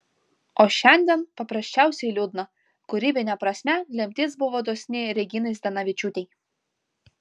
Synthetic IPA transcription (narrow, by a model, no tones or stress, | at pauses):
ɔʃɛnʲd̪ʲɛnpɐpɾɐʃʲt͡ʃawsʲɛlʲud̪nɐ | kʊɾʲibʲɪnʲɛpɾɐsʲmʲælʲɛmʲt̪ʲɪt̪sbʊʋɔd̪ɔsʲnʲɪɾʲɛɡʲinɪsʲd̪ɐnɐʋʲɪt͡ʃut̪ʲɛj